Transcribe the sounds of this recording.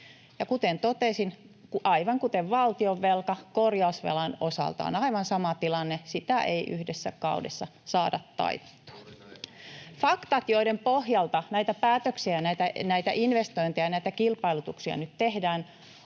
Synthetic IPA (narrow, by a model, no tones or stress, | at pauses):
jɑkut̪ent̪ot̪esin | kuʔɑiʋɑŋkut̪eʋʋɑlt̪ioʋːelkɑkorjɑusʋḛlɑnosɑ̰lt̪ɑ̰o̰nɑiʋɑnsɑmɑt̪ilɑnːesit̪æʔeiʔyhdesːæ̰kɑ̰udesːɑsɑːdɑt̪ːɑ̰it̪e̥t̪ːu̥ɑ̥ | fɑkt̪ɑt̪joidempohjɑlt̪ɑnæit̪æpæːt̪øksiæjnæit̪ænæit̪æʔinʋest̪oint̪ejɑnæit̪ækilpɑilut̪uksiɑ̰nyt̪t̪ehdæːn